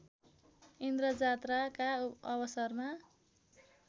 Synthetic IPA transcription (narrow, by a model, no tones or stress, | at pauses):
ind̪ɾʌd͡zat̪rakaʌbʌsʌrma